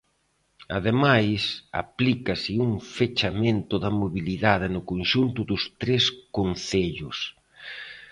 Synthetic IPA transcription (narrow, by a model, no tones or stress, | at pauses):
a̰ðemajsa̰plikɐsɪuŋfet͡ʃamẽnt̪ʊðɐmoβiliðaðɪnʊkonʃunt̪ʊðʊst̪ɾeskon̟θeʎʊs